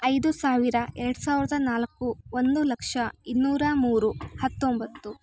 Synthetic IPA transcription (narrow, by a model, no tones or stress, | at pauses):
ɐjd̪usaːʋiɾɐʔɛɾɐɽusaːʋiɾɐd̪ɐnaːlɐkːuond̪ulɐkʂɐinːuːɾɐmuːɾuhɐt̪ːombɐt̪ːu